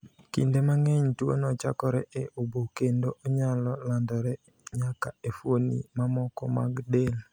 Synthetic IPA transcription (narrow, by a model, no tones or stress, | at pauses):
kḭndemaŋɛɲtwo̰nɔt͡ʃa̰kɔɾɛʔeʔʊbokendoʔoɲalɔlandɔɾɛ | ɲakaefwonḭmamɔkɔma̰ɡdel